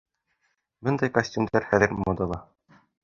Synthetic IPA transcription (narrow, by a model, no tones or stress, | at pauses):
bɤnd̪ɑjkɐsʲtʲumd̪æɾχæðɘ̆ɾmod̪ɑlˠɑ